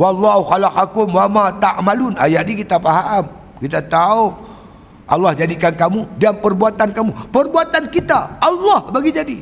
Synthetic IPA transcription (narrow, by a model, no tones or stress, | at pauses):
wɑlːɑɦuxalakakʊmwamat̪aʔmalʊna̰jaʔnikit̪apaɦam | kit̪at̪au | ʔɑ̰lːɑhd͡ʒadikankamudampərbuat̪ankamupərbuat̪ankit̪aʔɑlːɑhbaɡid͡ʒadi